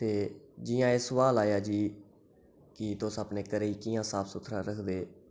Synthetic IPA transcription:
t̪eːd͡ʒiːãːeːsəʋaːlaːjaːd͡ʒiː | kɪt̪ʊsaːpneːkəɾeiːkɪjãːsaːpʰsʊt̪ʰɾãːɾəkʰd̪eː

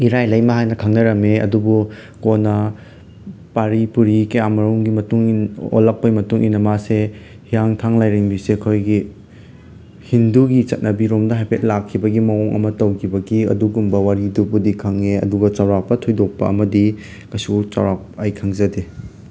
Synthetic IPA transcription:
iɾajlɐjmɐɦajnɐkʰaŋnɐɾɐmeɐ̰dubu | konɐ | paɾipuɾikeamɐɾuŋɡimɐtuŋino̰lɐk̚pɐɡimɐtuŋʔinɐmase | hijaŋtʰaŋlajɾeŋbisekʰojɡi | hinduɡit͡ʃɐt̚nɐbiɾomdɐɦajpʰet̚lakʰːibɐɡimɐɔŋʔɐ̰mɐtɐwkʰibɐɡiɐ̰duɡumbɐwaɾidupudikʰɐŋeɐ̰duɡɐt͡ʃawɾapɐtʰojdok̚pɐ̰ɐmɐdi | kɐjsut͡ʃawɾap̚ajkʰɐŋzɐde

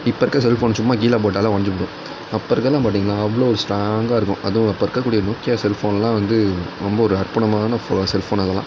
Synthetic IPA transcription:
ɪpːɐɾɯkːɐs̬ɛlfoːnsʊmːaːɡiːlaːp̬oːʈːaːlãːʋɐɳɐɲd͡ʒɯpːɐɽʊ̃ | ɐpːɐɾɯkːɐlːãːpaːʈ̬ːiŋɡɐnãːɐʋːɐɭoːɔɾɯsʈɾaːŋɡaːɪɾɯkːʊ̃ʔɐðɯ̃ɐpːɐɾɯkːɐkːuːɽɪjɐɾnokːɪjasɛlfoːnlãːʋɐnd̪ɯɾɔmbɐɔɾɯɐɾpɐɳɐmaːnɐfoːsɛlfoːnɐðɐlã̰ː

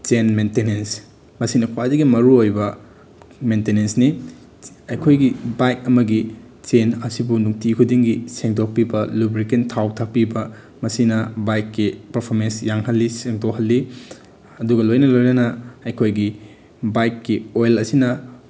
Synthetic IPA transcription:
t͡ʃenmentenens | mɐsinɐkʰwadɐɡimɐɾuojbɐ | mentenensni | ɐjkʰojɡibajk̚ɐmɐɡi | t͡ʃenɐsibunuŋtikʰudiŋɡiseŋdok̚pibɐlubɾikentʰawtʰak̚pibɐ | mɐsinɐbajkːipɐɾpʰoɾmensjaŋɦɐlːiseŋdohɐlːi | ɐduɡɐlojnɐlojnɐnɐɐjkʰojɡi | bajkːiojlɐsinɐ

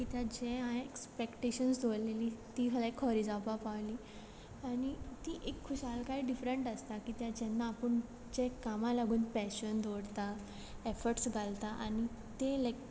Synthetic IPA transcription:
kit̪jad͡ʑẽɦãekspekʈeɕənsd̪ʱoleliːt̪iːɦəlaekʰɦɔɾiːd͡zapapaʋliː | anit̪iʔekʰːuɕalkaɦiɖifɾeɳʈəst̪akiːt̪jad͡ʑɛnːaːpəɳ | d͡ʑɛkamãlaɡuːnpɛɕənd̪ʱoɽt̪a | efəɾʈsɡʱalt̪aʔa̰ñi | t̪elək

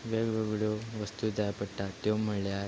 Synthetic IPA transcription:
ʋeɡʋeɡɭoʋəst̪ud̪ajpəʈːat̪jom̤əlja

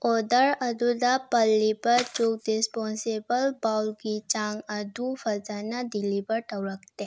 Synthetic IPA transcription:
oːd̪əɾɐd̪ʱud̪apəlːipəɾt͡ʃok̪̚ɾespɔ̃ːnsebəlbaːʊlkit͡ʃãːŋɡɐd̪ʱufɐzanad̪ilipəɾʈəwɾək̚ʰt̪e

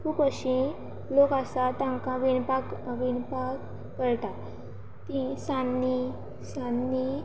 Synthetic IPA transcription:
kupəɕĩ | lokasat̪ãŋkaʋinpakʋinpak | kəɾt̪a | t̪ĩsanːi | sanːi

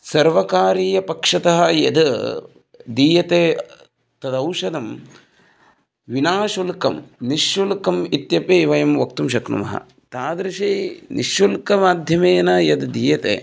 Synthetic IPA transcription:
sɐɾʋɐkaːɾiːjɐpɐkʂɐt̪ɐɦɐ̆jɐd̪ | d̪iːjɐt̪eː | t̪ɐd̪ɐwʃɐd̪ɐm | ʋinaːʃulkɐmniʃjulkɐmit̪jɐpeːʋɐjɐmʋɐk̚t̪umʃɐknṵmɐ̰ɦɐ̰ | t̪aːd̪ɾiʃiːnʔiʃjulkɐmaːd̪ʱjɐmeːnɐjɐd̪d̪iːjɐt̪ḛː

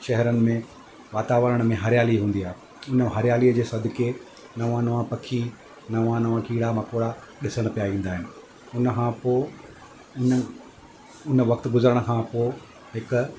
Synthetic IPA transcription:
ʃɛɦɛɾənɪ̆mẽ | ʋaːt̪aːʋəɾəɽ̃mẽɦɐɾɪjaːliɦũːn̆d̪iaːɦe | ʊnəɦɐɾɪjaːliːəd͡ʑeːsɐd̪ʱɪke | nɐʋãnɐʋãpɐkʰi | nɐʋãnɐʋãkiːɽamɐkoːɽaɗɪsəɽ̃̆pijaʋĩːn̆d̪aːɦɪnɪ̆ | ʊnkʰãːpo | ʊn | ʊnəʋɐkt̪ɡʊzəɾəɽ̃kʰãːpoː | ɦɪkʊ

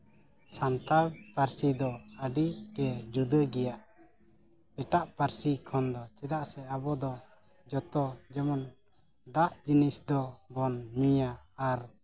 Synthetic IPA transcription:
sant̪aɽpaɾsid̪ɔəɖikɛd͡ʒud̪əɡɛjaʔ | pɛʈaʔpaɾsikʰɔnd̪ɔt͡ʃɛd̪aʔsɛabɔd̪ɔ | d͡ʒɔt̪ɔd͡ʒɛmɔn | d̪aʔd͡ʒinisd̪ɔbɔnmujaːɾ

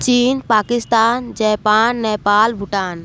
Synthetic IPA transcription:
t͡ʃiːnpaːkɪst̪aːnd͡ʒɛːpaːnːɛːpaːlbʱʊʈaːn

